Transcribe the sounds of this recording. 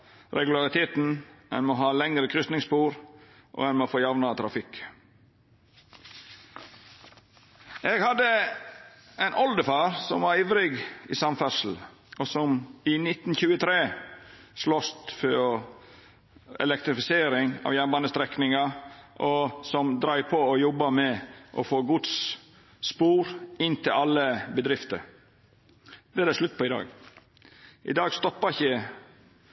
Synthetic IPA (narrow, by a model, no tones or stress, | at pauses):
ɾɛɡʉlɑɾɪt̪ʰeːt̪n̩ɛ̰nmoːɦɑːlɛŋɾəkʰɾʏst̪nɪŋspuːɾʔo̰ɛnmofoːjɑʋnɑt̪ʰɾɑfɪk | ʔeɡhɑd̪ə | ɛɪnʔɔld̪əfɑːɾsɔ̰mʋɑɾiːʋɾɪɡɪːsɑmfæsl̩ | ʔosɔmɪnɪt̪ːn̩çʉːət̪ʰɾeː | ʂlɔst̪fɔ | ɛ̰lɛk̚t̪ɾɪfɪseːɾɪŋɑ̰ːʋjænbɑːnəst̪ɾɛknɪŋɑʔɔsɔmd̪ɾɑɪpʰɔɔjɔbːɑmɛʔɔ̰foːɡʊd̪sː | puːɾɪnt̪ʰɪlɑlːəbəd̪ɾɪft̪ə̰ɾ | d̪̥ɛæd̪æʂlʉt̪ːpʰɔɪd̪ɑ̰ːɡ | ʔɪ̰d̪ɑːɡst̪ɔpːɑɪçə